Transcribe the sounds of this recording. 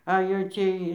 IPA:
ɐ jɛʊ ˈt͡sʲiɛj

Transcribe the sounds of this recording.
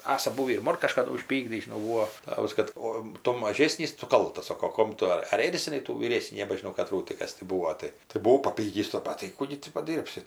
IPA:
ˈɑːsɐ ˈbuːʋʲiː ɪr ˈmoːn kɐʃkɐˈdʊ ʊʃʲˈpʲiːɡdʲiːs ˈtɑːʋɐs ˈkɐt oː ˈtʊ mɐˈʒʲeːsʲnʲiːs ˈtʊ ˈkɐlˠtɐs ˈsoːkoː ˈkoːm tʊ ɐr ˈeːrʲzʲɪnɐɪ tuː ʋʲiːˈrʲeːsʲnʲiː nʲɛbɐʒʲɪˈnɐʊ kɐˈtruː tʲɪ ˈkɐs tʲɪ ˈbuːoː ˈtɐɪ tɐɪ bʊˈʋɐʊ pɐˈpʲiːkʲiːs tɑː ˈpɑːtʲiː ˈkuː ɡʲɪ tʲɪ pɐˈdʲiːrʲpʲsʲɪ

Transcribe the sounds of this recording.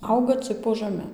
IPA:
ˈɐʊɡɐ t͡sɨk poː ʒɐˈmʲɛ

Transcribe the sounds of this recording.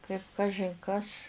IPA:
kɐɪp ˈkɑːʒʲɪn kɐs

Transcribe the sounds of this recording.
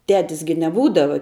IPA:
ˈtʲæːtʲɪs ɡʲɪ nʲɛˈbuːdɐʋɐ

